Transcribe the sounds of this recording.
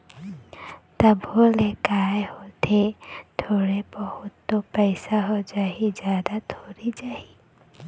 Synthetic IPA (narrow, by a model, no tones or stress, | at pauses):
t̪əbʱolekajhot̪ʰet̪ʰoɽebɔhʊt̪ːopəjsaɦod͡ʒaɦid͡ʒjad̪at̪ʰoɾid͡ʒaɦi